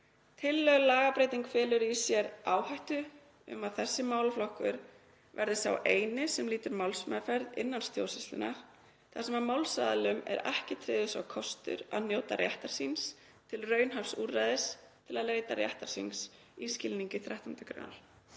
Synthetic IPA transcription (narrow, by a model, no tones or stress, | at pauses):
t̪ʰɪlːœɣʏlaːɣapɾejt̪iŋkfɛːlʏɾisjɛɾaːwhajht̪ʏ | ʏ̰maðθɛsːɪmaːwlflɔhkʏɾ | vɛɾðɪsθa̰wʔeːjnɪsɛmliːt̪ʏɾmawlsmɛfɛɾðɪ̰nːanst̪jo̰wsɪst̪lʏ̰naɾ̥ | θasɛmamawlsa̰ːðalʏmɛ̰ɾɛ̰hcɪt̪ʰɾɪːðʏsa̰wkʰɔst̪ʏ̰ɾa̰ðnjoːwt̪a̰rjaht̪aɾ̥sins | t̪ʰɪlrœːɥnɦafsuːrajðɪst̪ʰɪlaðleːjt̪arja̰ht̪aɾ̥sins | iscɪlniŋcɪθɾaht̪ʰant̪ʏ̥kɾa̰na̰ɾ̥